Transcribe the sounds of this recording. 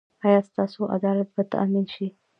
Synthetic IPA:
ɑjɑst̪ɑsoʔa̰d̪ɑlat̪̚bat̪a̰minʃi

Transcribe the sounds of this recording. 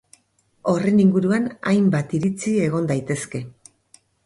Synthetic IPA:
o̞re̞niŋɡuɾuana̰jmbat̪iɾit͡sie̞ɣ̞o̞nd̪ajt̪e̞ske̞

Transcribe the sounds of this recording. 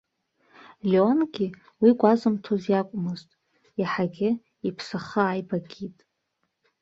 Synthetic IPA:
lʲeonɡʲi | wiɡʷʼazɨmtʰozjakʷʼmɨztʼ | jaħaɡʲɪ | ipʰsaχəajbaɡʲitʼ

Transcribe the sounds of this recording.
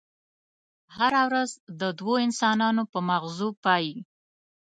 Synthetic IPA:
haɾawɾazd̪əd̪woɪnsɑnɑnopəmaɣzupɑji

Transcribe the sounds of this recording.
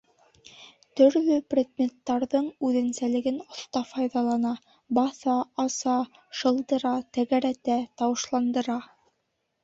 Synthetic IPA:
t̪ɵ̆ɾlɵprʲed̪mʲet̪ːɑɾðɤɴʉðɘ̆nsælɘ̆ɡɘnŏθt̪ɑfɑjðɑlˠɑnɑ | bɑθɑɑsɑ | ʃɤ̆lˠd̪ɤ̆ɾɑt̪æɣæɾæt̪æt̪ɑwɤ̆ʃlˠɑnd̪ɤ̆ɾɑ

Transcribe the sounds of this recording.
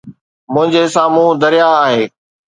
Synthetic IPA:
mʊ̃ɦɪ̃ɲd͡ʑesãːmũːd̪əɾɪjaːɦeː

